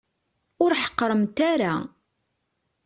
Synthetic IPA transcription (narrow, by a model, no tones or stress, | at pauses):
ʊɾħə̥qːɾˤəmt̪aɾa̰